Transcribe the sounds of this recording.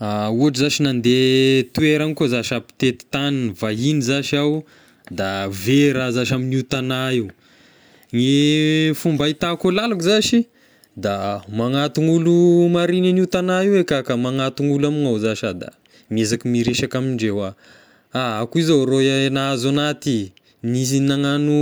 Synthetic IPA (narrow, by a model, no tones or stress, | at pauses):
auaʈ͡ʂizaʃinand̪et̪ueɾankozaʃapi̥t̪et̪i̥t̪aninvaɦinizaʃaw | d̪aveɾazaʃaminut̪anaiw | ŋifumbait̪akolalakzaʃi | d̪amaŋat̪uŋulumaɾinaniut̪anaiwekakamaŋat̪uŋulaminozaʃad̪a̰ | miezakimiɾeʃakamiɳɖ͡ʐewa | aakuizoɾoaenaazanat̪i | nis̬inaŋanu